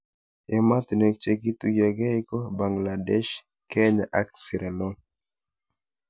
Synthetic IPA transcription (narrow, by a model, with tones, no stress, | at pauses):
ʔɛ˨ma˦t̪nɛ˨k̚t͡ʃɛ˦ɡi˦t̪u˦ɡa˨ɡɛ˦jkɔ˦ba˨ŋɡla˨dɛ˦ʃ | kɛ˦ɲa˨ʔa˦k̚si˨ɾɛ˨lɔ˦